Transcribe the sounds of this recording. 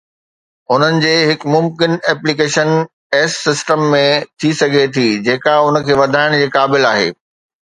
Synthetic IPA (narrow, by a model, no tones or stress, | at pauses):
ʊn̤ənɪ̆d͡ʑeːɦɪkmʊmkɪnɛːplikeːʃən | ɛːsːɪsʈəmːẽt̪ʰisɐɡʱet̪ʰid͡ʑeːkaʊnə̆kʰeːʋɐd̪ʱaːɪɽ̃d͡ʑeːkaːbɪlaːɦḛː